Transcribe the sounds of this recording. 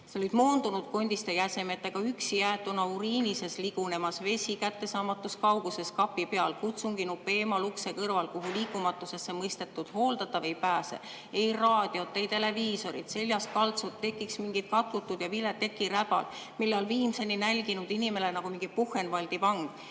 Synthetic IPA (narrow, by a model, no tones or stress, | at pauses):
seolid̪̥mo̞ːnd̪̥unud̪̥̚ko̞nʲd̪̥ist̪ekæse̞met̪ːeɡ̥ɑyksijæːt̪ːˑunɑuɾiːnise̞sliɡ̥une̞mɑsve̞sʲikæt̪ːe̞sɑːmɑt̪ːˑuskɑwɡuse̞skɑpːipe̞ɑlkut̪suŋɡ̥inupːˑeeːmɑlukse̞kɤrvɑlkuɦuliːkːˑumɑt̪ːˑuse̞sːe̞mɤjst̪e̞t̪ːˑud̪̥ho̞ːld̪̥ɑt̪ːɑvejpæːsḛ | e̞jrɑːd̪̥io̞t̪ːejt̪e̞le̞viːso̞ɾḭt̪se̞lʲjɑskɑlt̪sut̪ːe̞kːˑiksmiŋɡ̥it̪̚kɑt̪kut̪ːˑud̪̥jɑvilːet̪ːe̞kːiɾæb̥ɑ̰l | milːɑlviːmse̞nːinælʲɡinud̪inime̞lenɑɡ̥umiŋɡipuhːˑenvɑlʲd̪̥ipɑŋɡ̥